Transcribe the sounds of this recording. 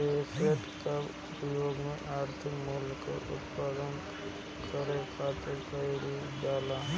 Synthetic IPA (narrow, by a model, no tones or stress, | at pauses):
ekʰeʈk̪əb | pəjoːɡmẽʔaːɾt̪ʰɪkmʊlko̰ʔʊ̰t̪paːd̪ən | kʰəɾekʰaːt̪epəɾi | daːla